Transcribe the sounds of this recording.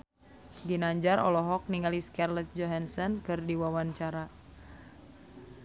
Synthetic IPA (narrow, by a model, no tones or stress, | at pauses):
ɡinaɲd͡ʒaɾɔ̰lɔɦɔk̚niŋaliskarlɛt̪̚d͡ʒɔɦansɔnkɨrdiwawant͡ʃaɾa